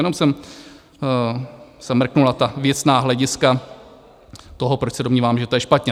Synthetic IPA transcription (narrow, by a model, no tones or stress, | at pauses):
jɛno̞msɛm | sɛmr̩knulat̪avjɛt͡snaːɦlɛɟɪska | t̪oɦopɾot͡ʃsɛdomɲiːvaːmʒɛt̪ojɛʃpat̪ɲɛ